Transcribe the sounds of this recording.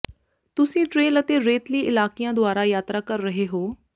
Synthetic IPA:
t̪ʊsĩːʈɾeːlət̪eːɾeːt̪liːʔɪlaːkijãːd̪ʊaːɾaːjaːt̪ɾaːkəɾːəɦeːɦoː

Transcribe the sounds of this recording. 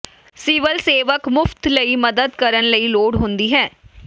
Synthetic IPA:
siːʋəlseːʋəkmʊft̪ləiːməd̪əd̪kəɾənləiːloːɽɦʊ̃nd̪iːɦɛː

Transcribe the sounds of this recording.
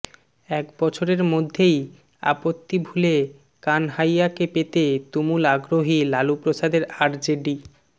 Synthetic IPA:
ɛkbɔt͡ɕʰoɾeɾmod̪ʱːej | a̰pot̪ːibʱule | kanɦajakepet̪et̪umulaɡɾoɦilalupɾosad̪eɾaɾd͡ʑeɖi

